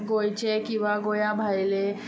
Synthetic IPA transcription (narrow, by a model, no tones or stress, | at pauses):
ɡojt͡ɕekĩw̃ʋaɡojãbʱajle